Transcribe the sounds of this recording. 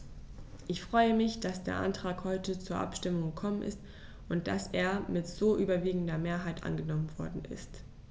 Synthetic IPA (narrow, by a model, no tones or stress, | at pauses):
ʔɪçfʁ̥ɔʏəmɪçd̥asd̥eːɐʔa̰ntʁ̥aːkhɔʏtət͡suːɐʔa̰pʃtɪmʊŋɡəkʰɔmənʔɪ̰st | ʔʊnt̚d̥a̰seːɐmɪtz̥oːʔyːbɐviːɡŋ̩dɐmeːɐɦaɪtʔa̰nɡənɔmənvɔɐdn̩ʔɪ̰st